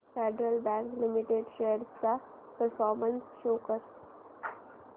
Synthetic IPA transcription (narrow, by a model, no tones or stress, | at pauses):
feɖɾəlbæ̃ːŋklɪmiʈeɖʃeːəɾsd̪a | pəɾfɔːɾmə̃nsʃoːkəɾ